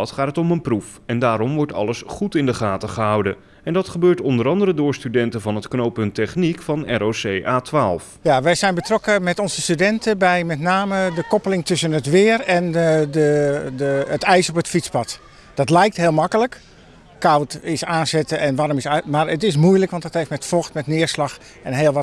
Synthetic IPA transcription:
tχaːtətɔmənpruf | ɛndaːɾɔmʋɔɹtɑ̰ləsχutɪndəχaːtəχəɦʌwdə | ɛndɑtχəbøːɹtɔndəɾɑndəɾədʊːɹstydɛntəvɑnətknowpɵntɛχnikfɑnɛɾosejʔaːtʋaːlˠfjaʋɛjzɛjnbətrɔkəmɛtɔnzəstydɛntəbɛjmɛtnaːmədəkɔpəlɪŋtɵsənətʋɪːərɛndədəətɛjsopətfit͡spɑt | d̥ɑtlɛjk̚tɦɪːlˠmɑkələk | kawtɪsaːnzɛtəʔɛnʋaːɾɔmɪsmaɹətɪs̬mujləkʋɑntdɑtɦeftmɛtfɔxtmɛtnɪəɹslɑx | ɛnɦeːlˠʋɔ

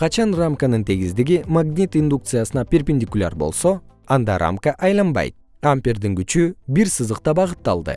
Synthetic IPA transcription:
qʰɑt͡ʃɑnramkanɯnt̪ʰe̞ɡizd̪iɡimaɡnʲit̪ind̪uk̚t̪sɨjasɯnɑpʲerpʲɪnʲd̪ʲikʊlʲa̰ɾbo̞̰lˠso̞ | ɑnd̪ɑɾa̰mkaʔɑjlˠɑnbɑ̰jt̪̚ | ampʲerd̪iŋɡyt͡ʃybiɾsɨzɯq̚t̪ɑbɑʁɯt̪ːɑlˠd̪ɯ̰

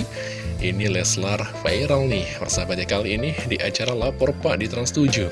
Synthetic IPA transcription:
ʔinilɛslarpajɾəlnɪhpərsabat̪̚ɲakaliːnidiʔat͡ʃaɾalapɔrpaʔdit̪ɾanst̪ud͡ʒu

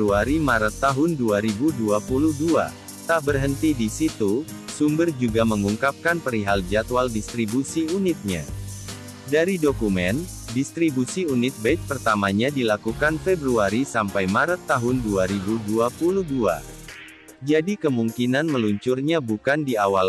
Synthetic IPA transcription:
uaɾimaɾət̪ːaɦʊnduaɾibuduapuluhdua̰ | t̪aʔbərɦənt̪idisit̪usumbərd͡ʒuɡaməŋuŋkap̚kanpəɾiɦald͡ʒat̪waldist̪ɾibusiunɪt̪̚ɲa̰ | daɾidokumɛn | dist̪ɾibusiunɪt̪̚bɛt̪̚pərt̪amaɲadilakukanfɛbɾuaɾisampajmaɾət̪ːaɦʊnduaɾibuduapuluhdua̰ | d͡ʒadikəmuŋkinanməluɲt͡ʃurɲabukandiawal

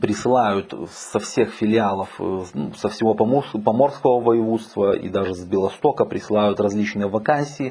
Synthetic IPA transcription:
pɾʲɪsɨlˠajʊt̪sɐfsʲe̞xfʲɪlʲɪalˠəfsəfsʲɪvo̞pɐmupɐmo̞rskəvəvəjɪvut̪st̪vəḭd̪aʐɨzbʲɪlˠɐst̪o̞kəpɾʲɪsɨlˠajʊt̪rɐzʲlʲit͡ɕnɨjəvɐkanʲsʲɪː

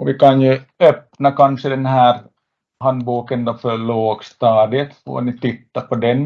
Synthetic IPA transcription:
ʔɔʋɪkanjɵœpnakanʂəd̪ɛnɦæːɾ | ɦanbuːkənd̪ɔfœɾɭoːɡst̪ɑːd̪ɪət̪fo̰ːnɪt̪ɪt̪ːapɔd̪ɛn

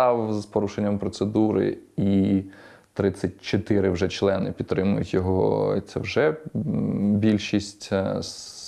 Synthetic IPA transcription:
ɑwzpɔɾuʃenʲːɐmpɾɔt̪sed̪uɾɪ̰i | t̪ɾɪt͡sʲːɐt̚ʲt͡ʃɔt̪ɪɾɪwʒɛt͡ʃlˠɛnɪ̰pʲid̪t̪ːɾɪmʊ̰jʊtʲjɔɦɔɦɔ̰t̪sʲɛ̰wʒɛ | bʲilʲʃisʲtʲ

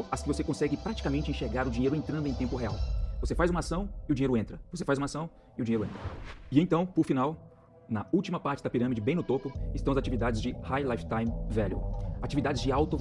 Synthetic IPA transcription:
ɐskɪvosekõsɛɡɪpɾat͡ʃi̥kamẽnt͡ʃɪẽʃeɾɡaɾʊd͡ʒĩɲejɾʊẽnt̪ɾ̃d̪ʊẽj̃t̪ẽmpʊɦeawvosefajzũmɐasɐ̃w̃ɪʊd͡ʒĩɲejɾʊẽnt̪ɾɐvosefajzũmɐasɐ̃w̃ | ɪʊd͡ʒiɲejɾʊẽnt̪ɾɐɪẽt̪ɐ̃w̃pʊɾfinaw | nɐuwt͡ʃimɐpaɾt͡ʃɪd̪ɐpiɾɐ̃mid͡ʒɪbẽj̃nʊt̪opʊɪst̪ɐ̃w̃ɐzat͡ʃivid̪ad͡ʒɪzd͡ʒɪhajlajft̪ãj̃mvɛljʊ̰at͡ʃivid̪ad͡ʒɪzd͡ʒɪawt̪ʊ

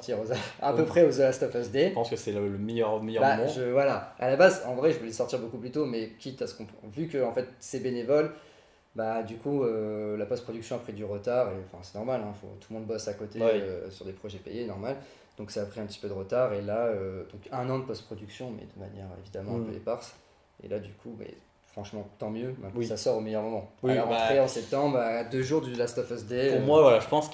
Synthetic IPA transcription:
ɔt̪ʰiʁozaɛ̃pøpχɛozaast̪ɔfazd̪epɑ̃skəsɛləmɛjœʁmejœbam̃ʒəvwalaa̰labazɑ̃vʁɛʒəvəlɛsɔʁt̪iʁbokuplyt̪omɛkʲit̪asə̥kɔ̃pvykəɑ̃fɛt̪sebenevɔl | bad̪ykuølapɔst̪pχɔd̪yksjɔ̃apχid̪yʁət̪aʁeɑ̃fɛ̰̃sɛnɔʁmalɛ̃fo̰t̪ulmɔ̃d̪bɔsakot̪eøsyʁd̪epχɔʒɛpejenɔʁmal | d̪̥ɔ̃ksaːpχiɛ̃pət̪i̥pød̪əʁət̪aʁelaød̪̥ɔ̃kɛ̃nɑ̃d̪əpɔst̪pχɔd̪yksjɔ̃mɛ̰d̪əma̰njɛʁḛvid̪amɑ̃ɛ̃pøḛpaʁs | ḛlad̪ykʰumɛ̰ | fχɑ̃ʃmɑ̃t̪ɑ̃mjømɛ̃t̪nsasɔʁomejœʁmɔmɑ̃waiɔɑ̃t̪χeɑ̃sɛp̚t̪ɑ̃bʁaːd̪øʒuʁd̪ylast̪ɔfɛsd̪euʁmwavwalaʒəpɑ̃s

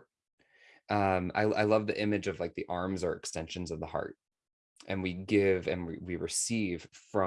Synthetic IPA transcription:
ʔʌ̃ma̰ɪaɪlʌvðiʔɪ̃mɨd͡ʒʌvlaɪk̚ðiʔɑɹmzə˞ɨkstɛ̃nʃɨ̃n̩zʌvðəhɑ̰ɹt̚ | ʔɨ̃nwiɡɪvɨ̰̃nwiwiɹɨsiv̥fɹʌ̃

